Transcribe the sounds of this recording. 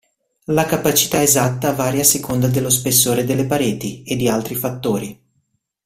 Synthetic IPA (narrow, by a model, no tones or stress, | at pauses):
lakapat͡ʃi̥t̪aezat̪ːavaːɾjasekʰond̪ad̪elːospesːoːɾed̪elːepaɾeːt̪ied̪ːialt̪ɾifat̪ːoːɾi